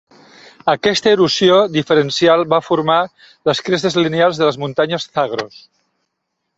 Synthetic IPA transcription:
əkɛst̪əeɾusjoðifəɾensjalˠβafuɾma | ləskɾesezlinealˠzðələzmunt̪aɲəsθaɣɾos

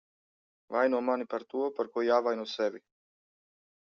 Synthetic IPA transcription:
vajnuamanipaɾt̪uapəɾkɔjavajnɔsɛvi

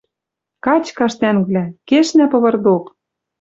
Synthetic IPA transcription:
kɑt͡ɕkɑʃt̪ænβlækeʃnæpɤ̆βɤ̆rd̪ok

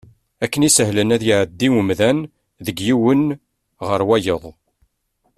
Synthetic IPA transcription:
ækːənisəɦlənæðjiʕəd̪ːiwəmðæn | ðəɡjiwən | ʁəɾwæjəðˤ

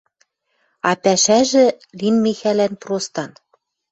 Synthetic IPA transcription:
ɑpæʃæʒɘ̆ | linmexælænprost̪ɑn

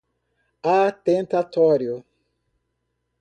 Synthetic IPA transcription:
at̪ẽnt̪at̪ɔɾjʊ

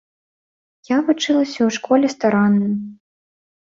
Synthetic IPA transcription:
javut͡ʂɨlˠɐsʲɐwʂkɔlʲɛst̪aɾanːɨj

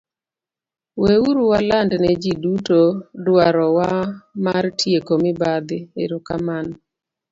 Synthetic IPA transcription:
weuɾuwalandnɛd͡ʒidutodwaɾɔwamartʰjekomɪbad̪ɪeɾuka̰man

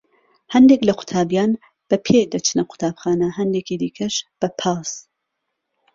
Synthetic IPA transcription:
hɐnd̪eːklɐqʰʊ̥t̪ʰaːbjaːn | b̥ɐpʰed̪ɐt͡ʃʰnɐqʰʊ̥t̪ʰaːbxaːnɐɦɐnd̪eːkiːd̪iːkʰɐʃb̥ɐpʰɑːs

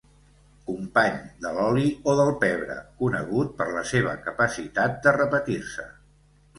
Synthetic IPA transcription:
kumpaɲd̪əlɔlioðəlˠpɛβɾə̰kunə̰ɣ̞ut̪̚pəɾləseβ̞ə̰kəpəsit̪at̪̚d̪ərəpət̪iɾsə

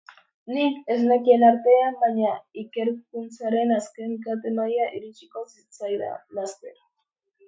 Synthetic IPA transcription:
nike̞znekie̞naɾt̪e̞ambajɲaike̞ɾkunt͡saɾe̞naske̞nkat̪e̞majaʔiɾit͡ʃi̥ko̞sit͡sajða̰last̪e̞ɾa

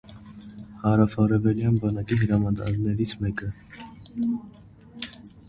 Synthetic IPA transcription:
hɑɾɑfɑɾɛvɛljɑnbɑnɑkiɦəɾɑmɑt̪ɑ̰ɾnɛɾit͡sʰmɛkə

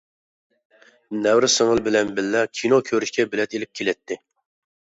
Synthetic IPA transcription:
nɛwɾɪsəŋəlˠbɪlɛnbɪlːɛkʲʰinokʲʰøɾyʃkʲʰɛbɪlɛt̪elɪp̚kʲʰelɪt̪ʰːɪ

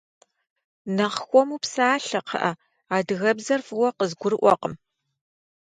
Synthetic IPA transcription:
nɐʁxʷɔmupsaːɬɐqʰɐ̰ʔɐ | aːdɨɣɐbzɐrfɨwɐqəzɡʷʊɾɨʔʷɔ̰qəm

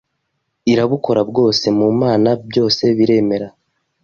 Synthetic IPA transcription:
iɾaβuko̞ɾabɡo̞ːse̞mumaːnabjo̞ːse̞βiɾe̞me̞ɾa

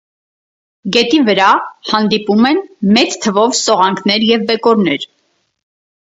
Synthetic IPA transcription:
ɡɛt̪ivəɾɑhɑnd̪ipumɛnmɛt͡st̪ʰːəvɔvsɔʁɑŋkʰnɛɾjɛvːɛkɔɾnɛɾ

